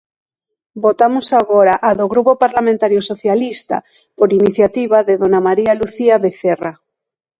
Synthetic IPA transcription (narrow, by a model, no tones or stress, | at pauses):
bot̪amosaɣoɾaʔaðoɣɾupopaɾlamẽnt̪aɾjosoθjalist̪a̰ | poɾiniθjat̪iβaðeðonamaɾialuθiaβeθera